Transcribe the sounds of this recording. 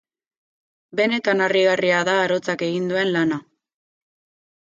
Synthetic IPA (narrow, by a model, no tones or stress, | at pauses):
be̞ne̞t̪anariɣariaðaːɾo̞t͡sake̞ɣind̪ue̞nlana